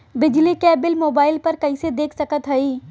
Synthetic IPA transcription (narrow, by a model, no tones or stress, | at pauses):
bɪd͡ʒlikɛːbɪlmoːbaːɪlpɐɾkɐised̪eːkʰsɐkət̪ɦɐiː